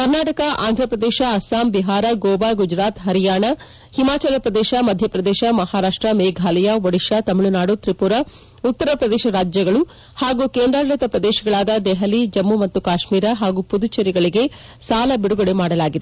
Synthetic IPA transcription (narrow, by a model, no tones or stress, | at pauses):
kɐɾnaːʈɐkɐʔa̰ːnd̪ʱɾɐpɾɐd̪ɛːʃɐːsaːmbiɦaːɾɐɡoːbaɡud͡ʒɾaːt̪ɦɐɾijaːɳɐ | himaːt͡ʃɐlɐpɾɐd̪ɛːʃɐmɐd̪ʱjɐpɾɐd̪ɛːʃɐmɐhaːɾaːʂʈɾɐmeːɡʱaːlɐjɐʋɐɽiʃɐt̪ɐmiɭunaːɽut̪ɾipuɾɐ | ut̪ːɐɾɐpɾɐd̪ɛːʃɐɾaːd͡ʒjɐɡɐɭu | haːɡuːkeːnd̪ɾaːɾlɐt̪ɐpɾɐd̪eːʃɐɡɐɭaːd̪ɐd̪ɛɦɐlid͡ʒɐmːumɐt̪ːukaːʃmiːɾɐɦaːɡupud̪ut͡ʃɐɾiɡɐɭiɡe̞saːlɐbiɽuɡɐɭemaːɽɐlaːɡid̪e